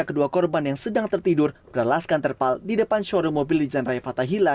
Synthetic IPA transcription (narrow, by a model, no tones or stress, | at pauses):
akəduakɔrbanjaŋsədaŋt̪ərt̪idʊrb̥əɾalaskant̪ərpaldidəpanʃɔɾomobɪldid͡ʒanrajafat̪aɦila